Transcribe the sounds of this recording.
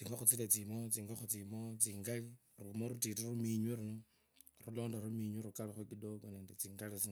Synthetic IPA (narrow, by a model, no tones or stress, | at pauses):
t͡siːŋɡaxut͡silet͡simot͡siːŋɡoxut͡simot͡siːŋɡali | rumoɾutitiɾumiɲwiɾumo | rulo̞ːndoɾumiɲwiɾukaloxwokidokone̞ːndet͡siːŋɡalit͡si